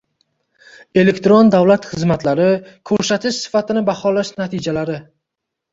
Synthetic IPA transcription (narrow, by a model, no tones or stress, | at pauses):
e̞le̞kʲt̪ɾond̪awlat̪χɨzmat̪ʰlaɾɪkʰɵɾsat̪ʰɪʃsɪ̥fat̪ʰɪnɪbaχɒlaʃnat̪ʰɪd͡ʒalaɾɪ